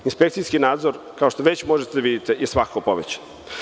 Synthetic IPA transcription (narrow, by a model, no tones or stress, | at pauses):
inspe̞kt̪sijskinaːd̪zoɾ | kao̞ʃt̪oʋet͡ɕmo̞ʒet̪ed̪aʋid̪it̪ejesʋakkopo̞ʋet͡ɕḁn